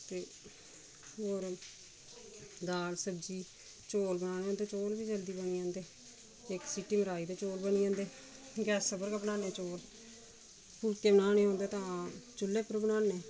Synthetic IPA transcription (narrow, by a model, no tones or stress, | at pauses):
t̪eː | ɦoːɾ | d̪aːlsəbd͡ʒiː | t͡ʃoːlbənaːnẽːɦõnd̪eːt͡ʃoːlbiːd͡ʒəld̪iːbəniːãːnd̪eː | ɪksiːʈiːməɾaːiːd̪eːt͡ʃoːlbəniãːnd̪eː | ɡɛːsːəbəɾɡabənaːneːt͡ʃoːl | pʊlkeːbənaːneːɦõːnd̪eːt̪ãːt͡ʃʊlːeːpəɾbənaːneː